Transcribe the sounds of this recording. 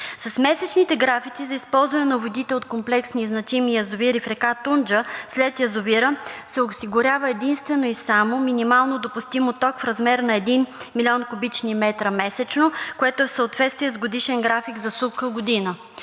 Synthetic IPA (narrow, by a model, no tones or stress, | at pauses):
sɐsmɛsɛt͡ʃnit̪ɛɡɾafit̪sizɐispɔlˠzvɐnɛnɐvod̪it̪ɛot̪komplɛksniznɐt͡ʃɛmijɐzʊviɾifɾɛkat̪und͡ʒəslɛt̪jɐzʊviɾəsɛosiɡʊɾʲavəɛd̪inst̪vɛnoisamominimalˠnod̪opʊst̪imot̪ɔkfɾɐzmɛɾnɐɛd̪inmilʲiɔnkʊbit͡ʃnimɛt̪ɾəmɛsɛt͡ʃnokoɛt̪oɛfsəot̪vɛt̪st̪viɛzɡod̪iʃɛnɡɾafiɡzɐsukəɡod̪inə